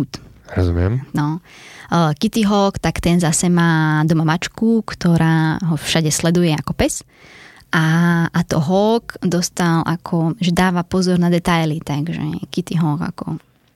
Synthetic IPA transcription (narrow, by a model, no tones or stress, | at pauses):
ut̪ɾɔzumɪɛmnɔ | kit̪iɦɔːkt̪akt̪ɛnzasɛmaːd̪ɔmamat͡ʃkukt̪ɔɾaːɦɔfʃaɟɛslɛd̪ujɛakɔpɛs | ʔaːt̪ɔ̰ɦɔkd̪ɔst̪alʔa̰kʰɔʒɛd̪aːʋapɔzɔɾnad̪ɛt̪ajlit̪aɡʒɛ̰kit̪iɦɔːɡa̰kɔ̰